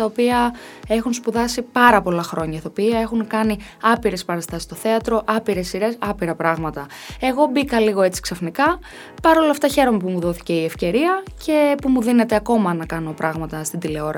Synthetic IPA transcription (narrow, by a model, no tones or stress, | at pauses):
t̪ɐopiɐ | e̞xunspuðɐsipɐɾɐpo̞lɐxɾo̞ɲɐt̪ɐopiɐe̞xunkɐni | ɐpiɾe̞spɐɾɐst̪ɐsist̪o̞θe̞ɐt̪ɾo̞ʔɐpiɾe̞sːiɾe̞sɐpiɾɐpɾɐɣmɐt̪ɐ | e̞ɣo̞bikɐliɣo̞e̞t͡si̥ksɐfnikɐ | pɐɾo̞lɐft̪ɐçe̞ɾo̞me̞pumuðo̞θi̥ce̞iefce̞ɾiɐcʰe̞pumuðine̞t̪eɐko̞mɐnɐkɐno̞pɾʔɐɣmɐt̪ɐst̪ind̪ile̞o̞ɾɐ